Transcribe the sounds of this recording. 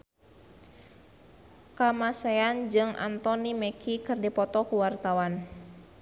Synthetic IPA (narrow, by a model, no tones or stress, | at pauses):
kamaseand͡ʒɨŋʔa̰nt̪ɔnimɛkʰikɨrdipɔt̪ɔkuwart̪awan